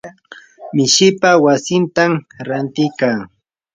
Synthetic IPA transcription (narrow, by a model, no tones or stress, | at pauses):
mɪʃɪpawasɪnt̪amɾant̪ɪjkaː